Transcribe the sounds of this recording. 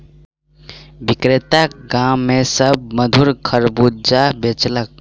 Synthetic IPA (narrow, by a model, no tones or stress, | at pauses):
bikɾet̪aɡãːesəb̚məd̪ʱuɾkʰəɾbud͡ʒabet͡ʃlək̚